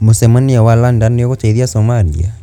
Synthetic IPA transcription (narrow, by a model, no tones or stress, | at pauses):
mosɛmaniawalandaneɔɣotaiðiasɔmalḭa̰